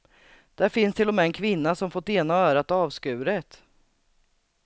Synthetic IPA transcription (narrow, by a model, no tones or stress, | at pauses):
d̪̥æɾfɪnst̪ʰɪlːɔmɛːɛnkʰvɪnːasɔmfɔt̪ːeːnaœːɾat̪ɑːvskʉ̟ːɾət̪